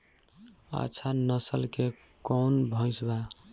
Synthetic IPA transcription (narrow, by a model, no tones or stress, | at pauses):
a̰ːt͡ʃʰanəsəlke | kɔnbʱə̃ɪsba